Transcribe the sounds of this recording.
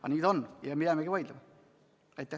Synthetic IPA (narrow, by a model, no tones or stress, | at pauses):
ɑ̰niːd̪onjɑmid̪æmeɡiʋɑjd̪lemɑ | et̪ːe